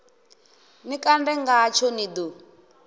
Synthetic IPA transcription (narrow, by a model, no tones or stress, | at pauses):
nikʼandɛŋɡat͡ʃʰɔnid̪u